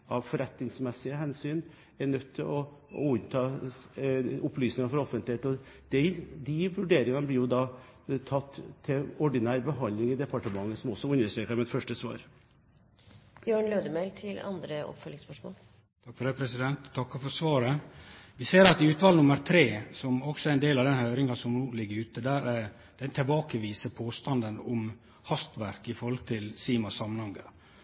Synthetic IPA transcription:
ʔɑʋfɔɾɛt̪nɪŋsmɛsːɪəɦɛnsyːn | ɛɳœt̪ʰːɪɔɔ̰ʉnt̪ʰɑː | ʊplyːsnɪŋɑɾfɔɾɔfənt̪lɪheːt̪ɔ | d̪̥ɛd̪iʋʉɖeːɾɪŋɑnəblɪɾjʊd̪ɑː | t̪ʰɑt̪ːʰɪɔɖɪnæːɾbəɦɑnd̪lɪŋɪd̪ɛpɑʈəmɑŋːəsɔmɔsːɔʉnd̪əʂʈɾeːkəɾmɛt̪fœʂʈəsʋɑ̰ːɾ | jøːɳløːd̪əmɛɪlt̪ʰɪlɑ̰nd̪ɾəʔɔ̰pfœlːɪŋspœʂmo̰ːl | t̪ʰɑkfɔɖɛpʰɾɛsɪd̪ɛnt̪t̪ʰːɑkːɑfɔɾsʋɑːɾəʋɪseːɾɑt̪ɪʉːt̪ʋɑːlnʊməɾt̪ʰɾeːsɔmɔksɔæɾɛnd̪eːlɑʋd̪ɛnhœːɾɪŋɑsɔmnuːlɪɡəɾʉːt̪əd̪æːɾæ | d̪̥ɛt̪ʰɛlbɑːkəʋiːsəpʰoːst̪ɑnd̪ənʊm | hɑst̪ʋæɾkɪfɔɾhɔlt̪ʰɪlsiːmɑsɑmənhɑŋɡə̰

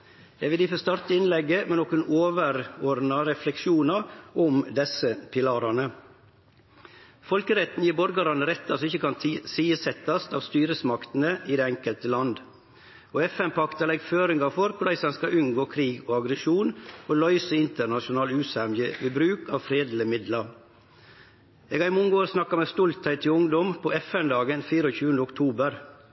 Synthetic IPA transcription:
jæɪʋɪliːfɔst̪ɑɾt̪əɪnlɛɡːəmɛnɔkʉnoːʋəɾɔɾnɑɾɛflɛkʂuːnɑɔmd̪ɛsəpʰɪlɑːɾɑnə | fɔlkəɾɛt̪n̩jiːbɔɾɡɑɾɑnəɾɛt̪ːɑsɔɪçəkʰɑnsiːəsɛt̪ːɑst̪ɑːʋst̪yːɾəsmɑkt̪n̩əɪd̪eːɛŋkəlt̪əlɑnd̪ | oːɛfɛnpʰɑkt̪ɑlɛɡføːɾɪŋɑfɔɾkʰʊlæɪsɛnskɑʔʉnɡoːkʰɾiːɡoːɑɡɾəʃuːnoːlœʏsəɪnt̪əɾnɑʃʊnɑːlʉːsæmjəʋibɾʉːkɑːʋfɾeːd̪lɪəmɪd̪lɑ | eːɡɑɪmɔŋəoːɾsnɑkːɑmeːst̪ɔlt̪hæɪt̪ʰːɪʊŋd̪ɔmpʰɔɛfɛnd̪ɑːɡənfiːɾəoːçʉːənd̪əʊkt̪ʰuːbəɾ

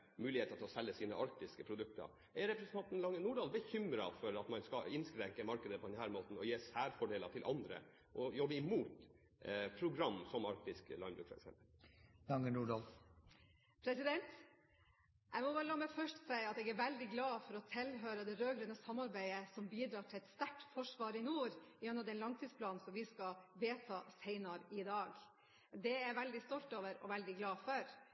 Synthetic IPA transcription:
mʉːlɪheːt̪ət̪ʰɪlɔsɛlːəsiːnəʔɑɾk̚t̪ɪskəpʰɾʊd̪ʉk̚t̪ə̰ɾ | ʔæɾɛpɾɛsən̩ɑnt̪n̩lɑŋənuːɖɑːlbəçʏmɾɑfɔɾɑt̪mɑnskɑɪnskɾɛŋkəmɑɾkəd̪əpʰɔd̪ɛnhæːɾmoːt̪n̩ɔjeːsæːɾfɔɖeːlət̪ʰɪlʔɑnd̪ɾə̰ | ʔɔjɔbːəɪmuːt̪ | pʰɾʊɡɾɑmːsɔmɑɾk̚t̪ɪsklɑɪmbɾʉːkfɔɾɛ̰ksɛ̰mpəllɑŋənuːɖɑːl | pʰɾɛsɪd̪ɛnt̪ | ʔæɪmɔbɑːɾəlɑːmɛfœʂtsæɪɑt̪ɛːɡæɾʋæld̪ɪɡlɑːfɔɾɔt̪ʰɪlɦøːɾəd̪ɛɾøːɡɾɛnəsɑmːɑɾbæɪəsɔmbiːd̪ɾɑːʈʰɪlɛt̪st̪æʈːfɔʂʋɑːɾɪnuːɾɪjɛnːəd̪ɛnlɑŋt̪ʰiːspʰlɑːnn̩sɔmʋɪskɑʋeːt̪ʰɑːsæɪnɑɾɪd̪ɑːɡ | d̪ɛæɾʋɛld̪ɪst̪ɔlt̪oːʋəɾɔ̰ʋɛld̪ɪɡlɑːfœɾ

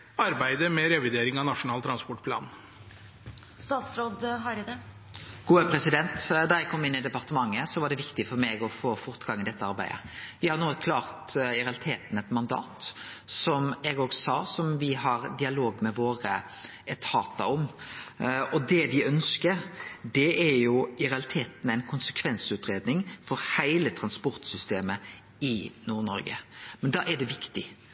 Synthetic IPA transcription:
ɑɾbæɪd̪əmɛɾɛʋɪd̪eːɾɪŋɑnɑʂʊnɑːlt̪ʰɾɑnspɔʈpʰlɑ̰ːn | st̪ɑːt̪sɾoːd̪ɦɑɾɪd̪ɛ | ɡ̥uːəpʰɾɛsɪd̪ɛnt̪d̪ɑɾɛɡkʰɔmːɪnːɪd̪ɛpɑɾt̪əmɑŋːəsɔʋɑɖɛʋɪkt̪ɪfɔɾmɛɪɡɔfoːfɔɾt̪ɡɑŋːɪd̪ɛt̪ːəɑɾbæ̰ɪd̪ə̰ʋɪhɑɾnuːəkʰlɑːʁt̪ɪɾɛɑlɪt̪ʰeːt̪n̩ɛt̪mɑnd̪ɑ̰ːt̪sɔmɛɡoːɡsɑːsɔmʋɪɦɑɾd̪ɪɑloːɡmɛʋoːɾə | ʔɛt̪ʰhɑːt̪ɑɔm | ɔd̪ɛʋɪœnskəɾd̪ɛæɾjʊɪɾɛɑlɪt̪ʰeːt̪næɪnkʰʊnsəkʰʋɛnsʉːt̪ɾeːd̪nɪŋfɔɾhæɪlət̪ʰɾɑnspʊɾt̪sʏst̪eːmə | ɪnuːɾnɔɾɡə̰mɛnd̪ɑ̰ːʔæɖ̪ɛʋɪkt̪ɪ

